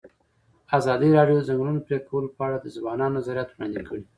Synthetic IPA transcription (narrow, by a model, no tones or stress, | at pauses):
azɑd̪iɾɑɖjozaŋɡlunopɾekʰawəlopəaɽad̪əzbɑnɑnonazaɾjat̪wɽɑ̰nd̪ikʰəɽi